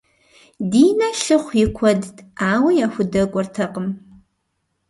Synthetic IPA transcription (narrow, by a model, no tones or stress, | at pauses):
diːnɐɬɨχʷɪkʷʰɔdaːwɐjaːxʷʊdɐkʷʼɔrtʰɐqəm